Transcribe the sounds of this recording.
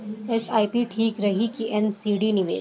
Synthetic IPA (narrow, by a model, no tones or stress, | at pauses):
esaːipiʈʰiːkɾɐɦikiʔɛnsiːɖinɪʋḛː